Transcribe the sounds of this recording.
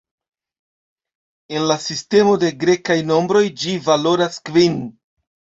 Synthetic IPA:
e̞nlasiste̞mo̞de̞ɡɾe̞kajno̞mbɾo̞jd͡ʒivalo̞ɾaskvin

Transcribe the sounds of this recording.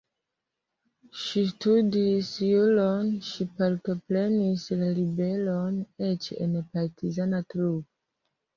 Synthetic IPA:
ʃistudisjulonʃipaɾto̞pɾe̞nislalibe̞lone̞t͡ʃḛnpaɾtʰizanatɾubo

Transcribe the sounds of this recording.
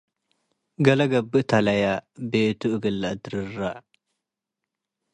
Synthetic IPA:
ɡɐlɐɡɐbɨʔt̪ʰalɐjabet̪uʔɨɡɨlːad̪ɨɾɨrːa

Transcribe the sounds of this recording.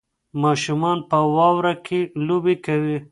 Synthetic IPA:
mɑːʃumɑnpəwɑwɾakʰelobekawi

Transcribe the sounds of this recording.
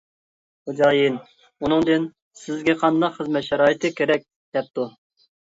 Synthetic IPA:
ud͡ʒɑːjin | unɨŋd̪ɨn | sɪzɡʲɛqʰɑnd̪ɑqχəzmɛt̪ʃɑɾɑːjit̪ʰɨkʲʰeɾɛk̚ʲ | d̪̥ɛp̚t̪u

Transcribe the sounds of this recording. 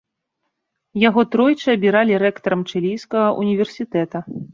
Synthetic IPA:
jaɣɔt̪ɾɔjt͡ʂɨɐbʲiɾalʲiɾɛkt̪ɐɾɐmt͡ʂɛlʲijskɐɣɐʔṵnʲivʲɛrsʲit̪ɛt̪ɐ

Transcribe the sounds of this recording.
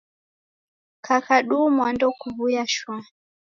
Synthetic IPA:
kʰakʰaɗumwandɔkuvujaʃwa

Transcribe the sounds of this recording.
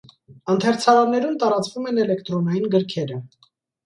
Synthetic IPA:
ɑnt̪ʰɛɾt͡sʰɑɾɑnːɛɾumt̪ɑɾɑt͡svumɛnɛlɛkt̪ɾɔnɑjinɡəɾkʰɛɾə

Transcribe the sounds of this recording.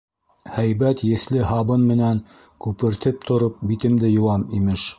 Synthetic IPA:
hæjβæt̪jɘ̆θlɘɦɑβɤnmɘ̆næŋ | kʉpɘ̆ɾt̪ɘp̚t̪ʰŏɾop̚bit̪ɘ̆md̪ɘjŏwɑnimɘʃ

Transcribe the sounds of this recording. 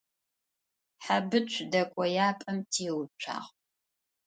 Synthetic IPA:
ħabɨt͡ʃʷʰdɐkʷʼɔjaːpʼɐmtʰiːwt͡ʃʷʰa̰ːʁ

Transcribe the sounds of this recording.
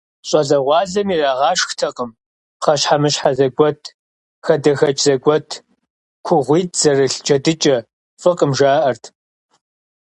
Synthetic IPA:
ɕʼɐzɐʁʷɑːzɐmiraːʁɑːʂxtʰɐqʼəm | χɐɕħamɨɕħazɐɡʷɔtʰ | xɐdɐxɐt͡ʃʼzɐɡʷɔtʰ | kʷʰʊʁʷiːtʰz̥ɐrɨɬd͡ʒɐdɨt͡ʃʼɐ | fɨqʼəmʒaːʔɐrtʰ

